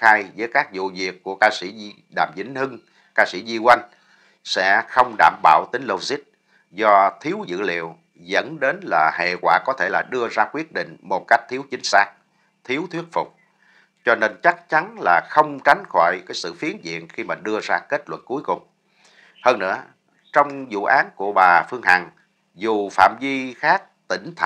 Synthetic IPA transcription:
aː˧jzəː˨˦jkaː˦˥k̚zṵ˧˨zi˨˩əkkːu˧˩əkaː˧sḭ˧˩˧ | ɗa̰ː˨˩mzḭ̈˧˥˦ŋ̟hɨ˧ŋ | kaː˧sḭ˧˥zi˧kwa˧jŋ̟ | sɛ̰˧˥xə˧wŋ͡mɗaː˧˨˩mɓa̰ː˧˨wt̪ï˨˦ŋ̟lo˧zi˦˥t̚ | zɔ˧t̪ʰi˨˦əwzɨ̰˧˨lḭ˧˨əw | zə̰˧˥nɗe˨˦nlaː˨˩hḛ˧˨kwaː˧˩kɔ˨˦t̪ʰe˧˩laː˨˩ɗɨ˧əzaː˧kwi˦˥ət̚ɗḭ̈˧˨ŋ̟mo˨˩t̚ka˦˥jk̟̚t̪ʰi˨˦əwt͡ɕï˨˦ŋ̟saː˦˥k̚ | t̪ʰi˨˦əwt̪ʰwi˦˥ət̚fʊ˨˩k͡p̚ | t͡ɕɔ˧ne˧nt͡ɕa˦˥k̚t͡ɕa˨˦nlaː˨˩xə˧wŋ͡mt͡ɕa˨˦jŋ̟xɔ˧˩˨jkaː˨˦jsɨ̰˧˨fi˨˦ənzḭ˧˨ənxi˧maː˨˩ɗɨ˧əzaː˧ke˦˥t̚lwə̰˧˨nku˨˦jkʊ˨˩ŋ͡m | həː˧nːɨ̰˧˥ə | t͡ɕɔ˧wŋ͡mzṵ˧˨ʔaː˨˦nku˧˩əɓaː˨˩fɨ˧əŋha˨˩ŋ | zu˨˩fa̰ː˧˨mvi˧xaː˦˥k̚t̪ï˧˩ŋ̟t̪ʰ

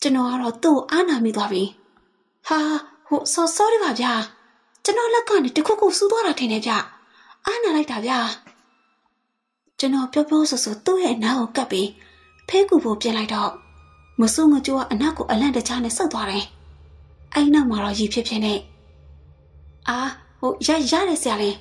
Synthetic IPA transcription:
t͡ɕə˨nɔ˨ɡa˦˨ɾɔ˦˨t̪ṵ˦˨ɡo˨ʔa˦na˨mjḭ˦˨t̪wa˦bi˨ | ha˨ho˨sɔ˦sɔ˦ɾi˦˨ba˨bja˦˨ | t͡ɕə˨nɔ˨lɛ˦kːã˦˨ne˨tə˨kʰṵ˦˨ku˦˨su˦t̪wa˦ɾa˨tʰɪ̃˨ndɛ˨bja˦˨ | ʔa˦na˨la˦ɪta˨bja˦˨ | t͡ɕə˨nɔ˨pjɔ˦pjɔ˦so˨so˨t̪ṵ˦˨jɛ̰˦˨ʔəna˦ɣo˨ka˦˨pːi˦ | pʰe˦ku˦˨bo˦˨pjɪ̃˨la˦ɪtɔ˦˨ | mə˨so˦ŋə˨t͡ɕo˦˨a̰˦˨ʔəna˦˨ʔkːo˨ʔə˨lã˦˨tə˨t͡ɕʰa˦nɛ̰̃˦˨sa˦˨t̪wa˦ɾɛ˨ | ʔɛ˦ɾi˨na˦ʊʔma˨ɾɔ˦˨ji˨pʰjɪ˦pʰjɪ̰̃˦˨nɛ˦˨ | ʔa˨ho˨ja˦˨ja̰˦˨ɾɛ˦˨sja˨lɪ̃˨

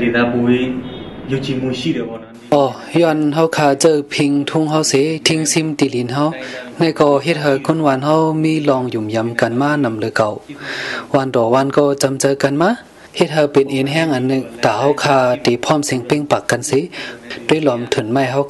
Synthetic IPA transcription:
de˨na˧bu˧˨˦jju˧t̪ʰi˧mu˧˨si˧˥˨de˨bɔ˧˨˧ʔɔː˧˩ | jɔ˧˨nɦa˧wkʰaː˧˨t͡ɕɤː˧˨pʰi˧ŋt̪ʰu˧˥˨ŋɦa˧˨wse˧˦t̪ʰi˧˨ŋsi˧˨mt̪i˧˨li˨˦nɦa˧wna˧˨jkɔː˧˩ɦe˧t̪̚ɦa˧wkʰu˧˥˨nwaː˧˨nha˧˨wmiː˧˥˨lɔː˧˨ŋju˨˩mja˧˨mka˨nmaː˧˥˨na˧˨mlɯː˨˧˦ka˨˩w | wa˧˨ndɔː˨˩waː˧˥˨nkɔː˧˩t͡ɕa˧mt͡ɕɤː˧˨ka˨nmaː˧˥˨ | he˧˨t̪̚ha˧wpe˨nʔe˨nɦɛː˧˨ŋʔa˨nːɯ˧˨ŋt̪aː˨˩ha˧˩wkʰaː˧˩t̪e˨˦pʰɔː˧˥˨mse˧ŋpe˧˨ŋpa˨˩kːa˨nse˧˦du˧˥˨jlɔ˧˨mt̪ʰɯ˨˩˨nma˧˨jɦa˧w

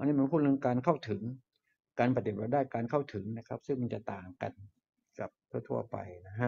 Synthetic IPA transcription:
ʔa˧nːiː˦˥˩ma˧npʰu˥˩nɯ˧ŋkaː˧nkʰa˥˩wt̪ʰɯ˨˩˦ŋ | kaː˧npʰa˧˩t̪i˨˩ɾaː˧daː˥˩jkaː˧nkʰa˥˩wt̪ʰɯ˩˦ŋna˦˥kʰa˦˥p̚sɯ˥˩ŋma˧nt͡ɕa˨˩t̪aː˨˩ŋka̰˧n | ka˨˩p̚t̪ʰu˥˩t̪ʰṵ˧˩ɐpa̰˧jna˦˥kʰa˦˥

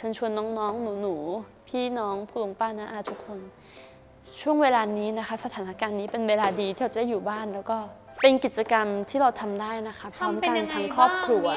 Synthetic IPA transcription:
t͡ɕʰɤ˧˥nt͡ɕʰu˧ənːɔː˦˥ŋnɔː˦˥ŋnuː˩˦nuː˩˦ | pʰiː˥˩nɔː˦˥ŋpʰuː˥˩lo˧ŋpaː˥˩na˦˥ʔaː˧˩t̪ʰu˦˥kʰːo˧n | t͡ɕʰu˥˩əŋweː˧laː˧niː˦˥na˦˥kʰa˦˥sa˧t̪ʰaː˩˦na˦˥kaː˧nːiː˦˥pe˧nweː˧laː˧diː˧t̪ʰiː˥˩ɾa˧˩t͡ɕda˥˩juː˨˩baː˥˩nlɛː˦˥wkɔː˥˩ | pe˧nki˨˩t̪̚t͡ɕa˧ka˧mt̪ʰiː˥˩ɾa˧wt̪ʰa˧mdaː˥˩jna˦˥kʰa˦˥pʰːɔɔː˦˥mka˧nt̪ʰaː˧˥ŋkʰɾɔː˥˩p̚kʰɾu˧ɐ

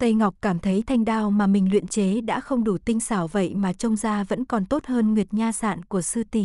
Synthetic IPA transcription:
t̪ə˧jŋɔ˨˩k͡p̚kaː˧˩mt̪ʰə˨˦jt̪ʰa˧jŋ̟ɗaː˧wmaː˨˩mï˨˩ŋ̟lwḭ˧˨ənt͡ɕe˨˦ɗa̰ː˧˥xə˧wŋ͡mɗu˧˩t̪ï˧ŋ̟saː˧˩wvə̰˧˨jmaː˨˩t͡ɕə˧wŋ͡mzaː˧və̰˧˥nkɔ˨˩nt̪o˦˥t̚həː˧nŋwi˨˩ət̚ɲaː˧sa̰ː˧˨nkku˧˩əsɨ˧t̪i˧˩

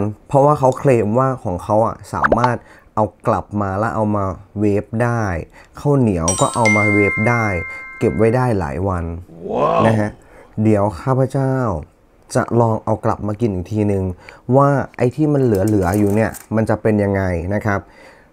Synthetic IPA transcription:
npʰɾɔ˦˥waː˥˩kʰa˦˥wkʰleː˧mwaː˥˩kʰɔː˩˦ŋkʰa˦˥wʔa̰˨˩sa̰ː˩˦maː˥˩t̪̚ | ʔa˧wkla˨˩p̚maː˧lɛ˦˥ʔa˧wmaː˧weː˦˥p̚daː˥˩jkʰa˥˩wni˩˦ɐwkɔː˥˩ʔa˧wmaː˧weː˦˥p̚daː˥˩jke˨˩p̚wa˦˥jdaː˥˩jla̰ː˩˦jwa˧n | na˦˥kʰa˦˥ʔ | di˩˦əwkʰaː˥˩pʰa˧˥t͡ɕaː˥˩w | t͡ɕa̰˨˩ʔlɔː˧ŋʔa˧wkla̰˨˩p̚maː˧ki˧nʔiː˨˩k̚t̪ʰiː˧nɯ˨ŋwaː˥˩ʔa˧jt̪ʰiː˥˩ma˧nlɯ˩˦ɐlɯ˩˦ɐjuː˨˩ni˥˩ɐma˧nt͡ɕa˨˩pe˧nja˧ŋːa˧jna˦˥kʰa˦˥p̚

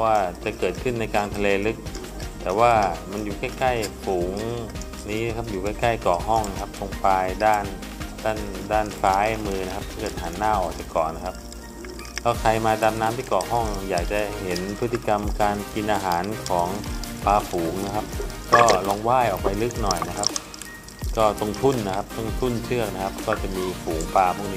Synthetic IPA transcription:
ɔ˧˦waː˥˩t͡ɕa˨˩kɤː˨˩t̪̚kʰɯ˥˩nːa˧jkaː˧nt̪ʰa˧leː˧lɯ˦˥k̚ | t̪ɛː˨˩waː˥˩ma˧njuː˨˩ka˥˩jka˥˩jfuː˩˦ŋ | niː˦˥na˦˥kʰa˦˥p̚juː˨˩ka˥˩jka˥˩jkɔː˨˩ɦɔ˥˩ŋna˧˥kʰa˦˥p̚t̪o˧ŋpaː˧jdaː˥˩n | daː˥˩ndaː˥˩nfaː˦˥jmɯː˧na˧˥kʰa˦˥p̚t̪ʰɯː˧˥˩kɯː˨˩t̪̚haː˩˦nːaː˥˩wʔɔː˨˩k̚t͡ɕa˨˩kɔː˨˩nːa˦˥kʰa˦˥p̚ | lʰɛː˦˥˩kʰa˧jmaː˧da˧m̚naː˦˥mt̪ʰiː˥˩kɔː˨˩ɦɔ˥˩ŋjaː˨˩k̚t͡ɕa˨˩he˨˦npʰɯ˦˥t̪ʰːi˧˨˩ka˧mkaː˧nki˧nʔaː˧ɦaː˩˦nkʰɔː˩˦ŋpaː˧fuː˩˦ŋna˦˥kʰa˦˥p̚kɔː˥˩lɔː˧ŋwaː˥˩jʔɔː˨˩k̚pa˧jlɯ˦˥k̚nɔ˨˩jna˦˥kʰa˦˥p̚ | kɔː˥˩t̪o˧ŋt̪ʰu˥˩nːa˦˥kʰa˦˥p̚t̪ʰa˧˥˩ŋt̪ʰu˥˩˨nt͡ɕʰɯ˥˩ək̚na˦kʰa˦˥p̚kɔː˥˩t͡ɕa˨˩miː˧fuː˩˦ŋpaː˧ma˧˩˨ŋni˧˦

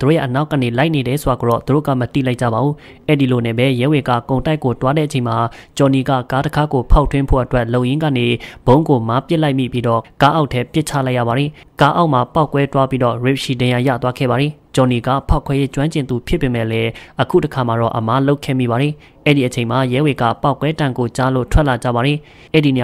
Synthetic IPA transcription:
t̪u˨o̰˦˨jɛ̰˦˨ʔəna˦ʊkːã̰˦˨ne˨la˦ɪʔne˨ɾɛ˨so˨a˨ɡo˨ɾɔ̰˦˨t̪u˨o̰˦˨ɡa̰˦˨mət̪ḭ˦˨la˦ɪʔ̚t͡ɕa̰˦˨ba˨bu˦ | ʔɛ˦˨di˨lo˨nɛ˨bɛ˦jɛ˨˦we˨ɡa̰˦˨kõ˨ʊ̃nta˦ɪkːo˨t̪wa˦ɾɛ̰˦˨t͡ɕʰẽ˨ma˨t͡ɕɔ˨ni˨ɡa̰˦˨ka˦tə˦kʰa˦ɡo˨pʰa˦ʊtʰwɪ̃˦mpʰo̰˦ʔətwɛ˦ʔlõ˨jɪ̃˦ŋɡä̰˦˨ne˨b̥õ˦ŋɡo˨ma˨˦pjɪ˦ʔla˦ɪʔmḭ˦˨pji˦dɔ̰˦˨ka˦ʔa˦ʊʔtʰːɛ˦pjɪ˦t͡ɕʰa̰˦˨la˦ɪʔja̰˨a˨d̪ði˨ | ka˦ʔa˦ʊʔma˨pa˦ʊkwɛ˦twa˦pi˦dɔ̰˦˨ɹɪ˨p̚ʃi˨dã˨ja˨jä̰˦˨t̪wa˦ɡʰɛ̰˦˨ba˨d̪ði˨t͡ɕɔ˨ni˨ɡa̰˦˨pʰa˦ʊkʰwɛ˨˦je˦t͡ɕwã˦ɲt͡ɕɪ̃˨nt̪u˨pʰjɪ˦pːe˨mɛ̰˦˨lɛ˦ʔəkʰṵ˦˨təkʰa˨ma˨ɾɔ̰˦˨ʔəma˦lo˦ʊkʰɛ̰˦˨mḭ˦˨ba˨d̪i˨ | ʔɛ˦˨di˨ʔət͡ɕʰẽ˨ɪ̃ma˨jɛ˦we˨ɡä̰˦˨pa˦ʊkwɛ˦tã˨ŋɡo˨t͡ɕa˦lo̰˦˨tʰwɛ˦ʔla˨d͡ʑä̰˦˨ba˨d̪ði˨ | ʔɛ˦˨di˨n˨

